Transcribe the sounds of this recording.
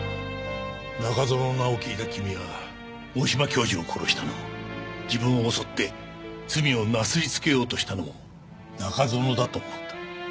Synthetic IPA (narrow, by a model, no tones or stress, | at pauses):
nakazo̞nonaokʲiːt̪akʲimʲiβa | oːɕimakʲo̞ːʑiokʰo̞ɾo̞ɕi̥t̪ano̞̰mod͡ʑibɯ̟̃ɰ̃o̞ːso̞t̪ːe̞ | t͡sɨmʲio̞nasɨɾʲit͡sɨ̥ke̞jo̞ːt̪o̞ɕi̥t̪ano̞̰mo̰ | nakazo̞no̞d̪at̪oːmot̪ːḁ